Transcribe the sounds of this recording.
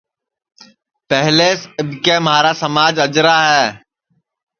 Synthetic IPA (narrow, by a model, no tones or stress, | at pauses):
pɛɦleːsɪbkeːmaːɾaːsəmaːd͡ʒəd͡ʒɾaːɦɛː